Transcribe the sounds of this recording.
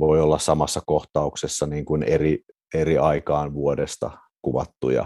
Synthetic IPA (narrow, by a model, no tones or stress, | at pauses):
ʋoiolːɑssɑmɑsːɑkoht̪ɑuksesːɑniːŋkuneri | eɾiɑikɑːnʋuodest̪ɑ̰ | kuʋɑ̰t̪ːṵjɑ̰